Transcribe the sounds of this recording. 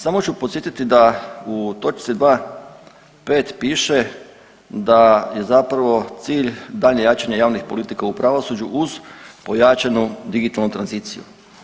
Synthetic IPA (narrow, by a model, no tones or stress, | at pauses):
samo̞t͡ʃupot̪sjet̪it̪id̪aut̪o̞t͡ʃt̪sid̪ʋaː | pe̞ːt̪piːʃe | d̪aje̞zapɾaʋo̞t̪siːʎd̪aːʎɲejaːt͡ʃaɲajaːʋnixpo̞lit̪ikaupɾaʋosud͡ʒuʔuz̥po̞jat͡ʃanud̪iɡit̪alnut̪ɾanziːt̪sijṵ